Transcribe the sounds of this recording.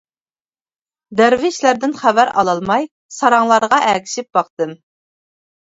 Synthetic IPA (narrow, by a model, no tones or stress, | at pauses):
d̪æɾvɪʃlæɾd̪ɪnχævæɾɑ̰lˠɑlˠmɑj | sɑɾɑŋlˠɑɾəʁɑʔækʲʰi̥ʃɪp̚b̥ɑqt̪ɨm